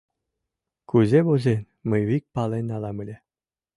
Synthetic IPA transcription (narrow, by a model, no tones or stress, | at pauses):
kuzʲebozenʲ | məjβik̚pɑlenʲɑlɑmɯlʲe